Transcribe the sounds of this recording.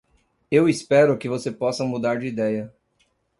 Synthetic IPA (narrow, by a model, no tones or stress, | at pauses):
ewispɛɾʊkɪvosepɔsɐmud̪aɾd͡ʒɪid̪ɛjɐ